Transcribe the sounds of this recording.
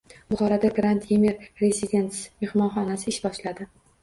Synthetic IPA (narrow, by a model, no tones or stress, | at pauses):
bʊχɒɾad̪aɡɾant̪jemeɾɾezid̪ʲe̞nt̪sme̞hmɒnχɒnasɪɪʃbɒʃlad̪ɪ